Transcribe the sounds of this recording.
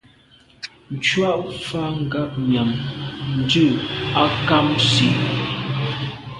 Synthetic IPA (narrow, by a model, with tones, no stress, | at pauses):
n̩˨t͡ʃwa˦ʔfa˦ŋ̩˨ɡa˦p̚ɲja˨mn̩˦dʉ˦˨a˦ka˦msi˨